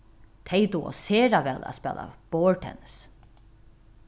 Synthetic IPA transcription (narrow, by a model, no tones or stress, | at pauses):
t̪ʰejt̪uɔ̰seːɾaʋɛːla̰spɛːla̰b̥oːɹʈʰɛ̰ns